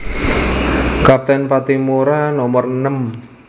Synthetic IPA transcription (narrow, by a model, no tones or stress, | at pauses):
kap̚t̪ɛnpat̪imuɾanɔmərnəm